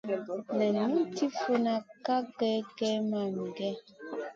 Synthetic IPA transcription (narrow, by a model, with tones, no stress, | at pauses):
na˨ni˦n˦ti˦fo˦na˨ka˦ɡɛ˦ɡɛ˦ma˨mi˨ɡɛ˦